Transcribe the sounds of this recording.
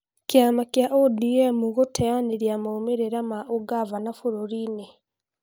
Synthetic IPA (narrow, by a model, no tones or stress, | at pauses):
keamakjaʔodiɛmuɣotʰɛaneɾjamaomeɾeɾamaʔoɡavanafoɾoɾiːne